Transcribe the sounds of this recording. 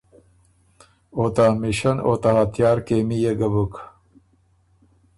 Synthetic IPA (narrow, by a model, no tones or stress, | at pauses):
ot̪amiɕɐnot̪ahat̪ʰjaːɾkeːmijeɡɐbuk